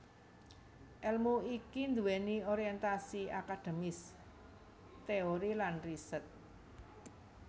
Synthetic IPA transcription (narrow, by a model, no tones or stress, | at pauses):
ʔɛlmuikind̪uwɛnioɾiɛnt̪asiakad̪̥e̤mɪs | t̪eoɾilanrisət̪̚